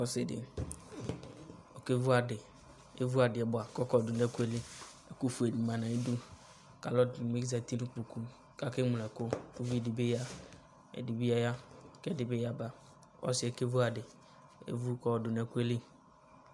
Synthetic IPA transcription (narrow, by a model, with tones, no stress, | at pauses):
ɔ˦sɪ˨dɪ̰˨ | ɔ˨ke˦vu˦a˨dɪ˨ | e˦vu˦a˨dɪ˨ɛ˨˦bʊ˨a˨kɔ˦kɔ˦˨dʊ˨nɛ˦ku˦e˦li˦ | ɛ˨ku˦fu˨e˨di˨ma˨na˨e˦du˦ | ka˨lɔ˦dme˦ɡza˨ti˦nu˦k͡pu˨ku˦ | ka˦kɪ˦mʊ˨ɛ˨kʊ˦u˦vi˦˨dɪ˨be˦ja˦ | ɛ̰˨di˨bi˦a˦ja˦˨kɛ˦dɪ˨be˦ja˦ba˨ | ɔ̰˦sɪ˨˦ɛ˨ke˦vu˦a˨dɪ˨ | ḛ˦vu˦kɔ˦˨dʊ˨n˨ɛ˦˨ku˦e˦li˦